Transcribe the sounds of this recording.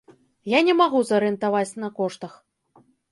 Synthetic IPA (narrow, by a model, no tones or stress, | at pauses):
janʲɛmaɣuzɐɾɨɨnt̪avat͡sʲnɐkɔʂt̪ɐx